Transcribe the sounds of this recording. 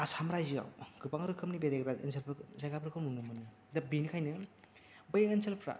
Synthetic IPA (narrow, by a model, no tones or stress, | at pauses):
asamɾajzia̰wɡɯpaŋɯɾɯkʰɯmnibeɾeɡɾaɯ̰nsʰelpʰɾzajɡapʰɾɯkʰɯmunɯmɯnɯ | dɐbinikʰajnɯ | bɯjeŋɯnsʰelpʰɾa̰